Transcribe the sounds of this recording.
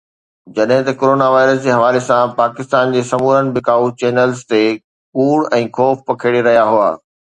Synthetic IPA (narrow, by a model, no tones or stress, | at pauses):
d͡ʑɐɗɦɪ̃t̪ɐkoːɾoːnaʋaːɪɾəsd͡ʑeːɦɐʋaːlesãpaːkɪst̪aːnd͡ʑeːsɐmuːɾənɪ̆bɪkaːut͡ɕeːnəlzt̪e | kuːɽɛ̃ːxʰɔːfpɐkʰeːɽiɾɐɦijaɦʊa̰ː